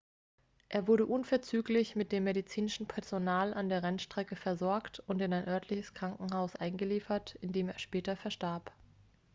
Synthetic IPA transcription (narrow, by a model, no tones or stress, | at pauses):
ʔeːɐvʊɐɾəʔʊnfɛɐt͡syːklɪçmɪt̚d̥eːmːeɾit͡siːnɪʃn̩pʰɛɐzonaːlʔandeːɐʁɛnʃtʁ̥ɛkəfɛɐzɔɐktʊntɪnaɪnʔœɐtʰlɪçəskʁ̥aŋkŋ̩ɦaʊsʔaɪnɡəliːfɐtɪndeːmeːɐʃpɛːtɐfɛɐʃtaɐp